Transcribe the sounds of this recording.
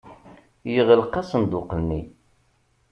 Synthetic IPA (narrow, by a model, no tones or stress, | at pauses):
jəʁəlqːasənd̪ʊqənːi